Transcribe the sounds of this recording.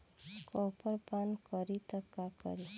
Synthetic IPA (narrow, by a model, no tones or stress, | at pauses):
kɔːpəɾpankəɾit̪əkːakə̰ɾi